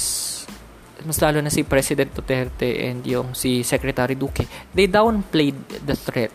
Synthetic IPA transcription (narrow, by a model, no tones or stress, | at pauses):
s | mɐslaːlonɐsɪpɹɛsɪd̪ɛ̃nt̪̚d̪ot̪ɛɾt̪ɛʔɛ̰nd̪jʊŋsɪsɛkɾɛt̪aːɾɪd̪uːkɛd̪ejd̪awnplejd̪̚ːɐθɹɛt̪̚